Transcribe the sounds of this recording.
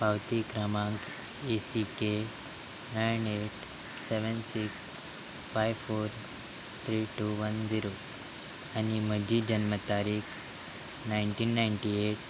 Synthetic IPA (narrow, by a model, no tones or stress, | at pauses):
pawt̪ikɾamãŋk | esike | najneʈ | seʋənsiks | fajʋfoɾ | t̪ʰɾiʈuʋənd͡ziɾo | anim̤əd͡ʑʱid͡ʑənmət̪aɾiːkʰ | najɳʈiːnːajɳʈieʈ